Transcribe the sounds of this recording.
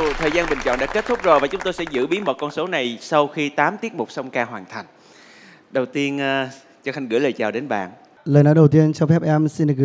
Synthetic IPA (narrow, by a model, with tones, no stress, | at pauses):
t̪ʰəː˨˩jzaː˧nɓï˨˩ŋ̟t͡ɕɔ̰˧˨nɗa̰ː˧˥ke˦˥t̚t̪ʰʊ˦˥k͡p̚zo˨˩vaː˨˩t͡ɕʊ˨˦ŋ͡mt̪o˧jsɛ̰˧˥zɨ̰˧˥ɓi˨˦ənmo˨˩t̚kɔ˧nso˨˦na˨˩jsa˧wxi˧t̪aː˨˦mt̪i˦˥ət̚mʊ˨˩k͡p̚sɔ˧wŋ͡mkaː˧ɦwaː˨˩nt̪ʰa˨˩jŋ̟ | ɗə˨˩wt̪i˧ənː˧ | t͡ɕɔ˧xa˧ŋ̟ɣɨ̰˧˥ləː˨˩t͡ɕaː˨˩wɗe˨˦nɓa̰ː˧˨n | ləː˨˩jnɔː˨˦jɗə˨˩wt̪i˧ənt͡ɕɔ˧wfɛ˦˥p̚ʔɛ˧msi˧nɗɨ˨˩k̚ɣɨ˧